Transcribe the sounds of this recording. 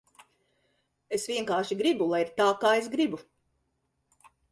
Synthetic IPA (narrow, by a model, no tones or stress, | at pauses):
esvʲiɛŋkaːɾʃiɡɾibulˠajiɾt̪aːkaːes̬ɡɾibu